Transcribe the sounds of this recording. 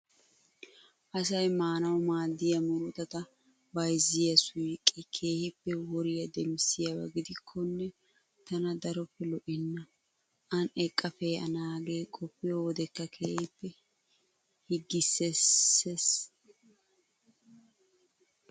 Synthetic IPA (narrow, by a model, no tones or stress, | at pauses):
ʔɐsɐjmaːnɐwmaːd̪ːɪjɐmʊɾɔt̪ɐt̪ɐ | bɐjzɪjɐsʊjkʼːɛkʰe̞ːhɪpːɛwɔɾɪjɐd̪ɛmsɪjɐwɐ̰ɡɪd̪ɪkʰːɔnːɛ | t̪ɐnɐd̪ɐɾɔpːɛlɔʔɪnːɐ | ʔɐnɛkʼːɐfɛjɐ̰naːɡeːkʼɔpːɪjɔɔd̪ɛkːɐkʰeːhɪpːɛ | hɪɡːɪsːeses